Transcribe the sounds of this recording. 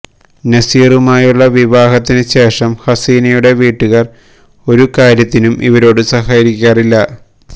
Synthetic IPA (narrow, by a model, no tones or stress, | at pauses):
nɐsiːrumaːjuɭːɐʋiʋaːɦɐt̪ːinɨɕe̞ːʂɐmhɐsiːnɐjuɽe̞ʋiːʈːuɣɐr | o̞ɾukaːɾjɐt̪ːinumʔḭʋɐɾo̞ːɽɨsɐɦaːɾikʲːaːrilːɐ